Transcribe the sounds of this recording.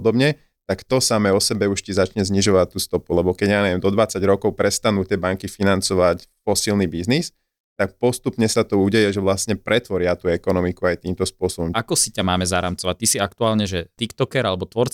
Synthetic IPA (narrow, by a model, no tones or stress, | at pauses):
ɔd̪ɔbɲɛ | t̪akt̪ɔsamɛːɔsɛbɛuʃcizat͡ʃɲɛzɲiʒɔʋac̚t̪ːuːst̪ɔpulɛbɔkɛɟjaːɲɛʋɛmd̪ɔd̪ʋat͡saɟɾɔkɔʊpɾɛst̪anuːt̪ɪɛbaŋkifinant͡sɔʋacfɔsilnibiznis | t̪ak̚pɔst̪upɲɛsat̪ɔuɟɛjɛʒɛʋlastɲɛpɾʔɛt̪ʋɔɾɪat̪uːɛkɔnɔmikuajt̪iːmt̪ɔspʊɔsɔbɔmakɔsicamaːmɛzaɾamt͡sɔʋac̚t̪isiakt̪uaːlɲɛʒɛt̪ikt̪ɔkɛɾalɛbɔt̪ʋɔɾt͡s